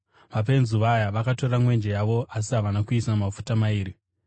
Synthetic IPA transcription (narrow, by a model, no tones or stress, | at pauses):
ʋap̬e̞nzuʋajaʋakato̞ramwe̞nd͡ʒejaʋo̞as̬iɦaʋanakuisamafu̥tamaiːɾi